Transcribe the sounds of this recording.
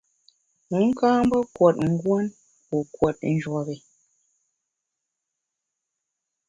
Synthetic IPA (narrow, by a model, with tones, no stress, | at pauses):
mu˨˦ŋ̩˦kaː˦m˦bɔ˦kwɔ˨t̚ŋ̩˦ɡwɔ˦n | pɔ˨kwɔ˨t̚n̩˦d͡ʒwɔ˨ɣe˨